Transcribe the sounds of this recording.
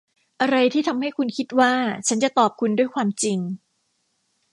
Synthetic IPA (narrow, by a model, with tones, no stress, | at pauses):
ʔa˧ɾa˧jt̪ʰiː˥˩t̪ʰa˧mha˥˩jkʰu˧nkʰi˦˥t̪̚waː˥˩t͡ɕʰa˦˥nt͡ɕa˨˩t̪ɔː˨˩p̚kʰu˧ndu˥˩əjkʰwaː˧mt͡ɕi˧ŋ